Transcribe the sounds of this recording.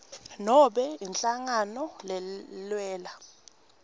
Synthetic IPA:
nɔɓɛint͡ɬʼaŋanɔlɛlwɛːla

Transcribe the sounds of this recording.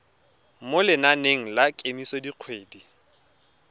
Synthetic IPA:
molɪnaneŋ̩lakʼemisɔdiq͡χʰweːdi

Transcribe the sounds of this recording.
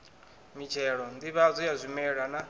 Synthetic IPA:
mit͡ʃʰɛɺɔndiβazʷijazʷimɛɺana

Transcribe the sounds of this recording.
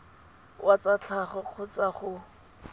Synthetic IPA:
wʔat͡sat͡ɬʰaχʊq͡χʰʊt͡saχʊ

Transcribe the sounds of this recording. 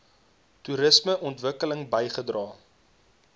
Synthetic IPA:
tuɾəsməʔɔntvəkələŋbəjχədrɑː

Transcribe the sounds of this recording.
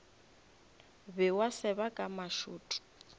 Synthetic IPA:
bɪwasɪβakʼamaʃuːtʼʊ̥

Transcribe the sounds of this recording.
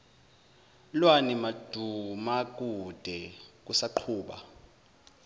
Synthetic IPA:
lwanimad̥ʱumak̬ʼud̥ʱɛk̬usaǃʰuːɓa̰

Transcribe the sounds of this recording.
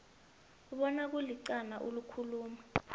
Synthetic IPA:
uɓɔnak̬uliǀanaʔulukʰuluːma

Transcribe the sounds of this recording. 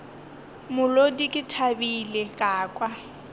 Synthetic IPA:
mʊlodikʼɪtʰabilekʼaːkʼwa

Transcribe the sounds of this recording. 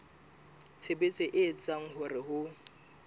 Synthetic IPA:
t͡sʰebet͡sʼɪʔɪːt͡sʼaŋ̩ɦʊrɪɦʊ

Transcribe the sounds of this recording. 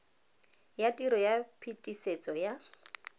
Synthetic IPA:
jatʼiɾɔjapʰitʼiset͡sʼɔja

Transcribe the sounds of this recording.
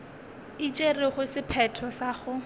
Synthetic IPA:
it͡ʃʼerɪχʊsɪpʰɛtʰɔsaːχʊ

